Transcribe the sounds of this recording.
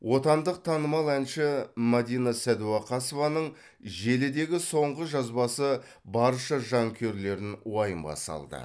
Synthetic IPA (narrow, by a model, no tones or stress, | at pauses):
wʔo̞t̪ɑnd̪əq̚t̪ʰɑnəmɑlˠænʃɪmɑd̪ijnasæd̪uɑqʰɑsovɑnəɴ | ʒe̞lɪd̪e̞ɡʲɪso̞ɴʁəʒɑzbɑsə | bɑɾʃəʒɑŋkʲʰe̞ɾle̞ɾɪnwɑjəmbɑ̰sɑ̰lˠd̪ə̰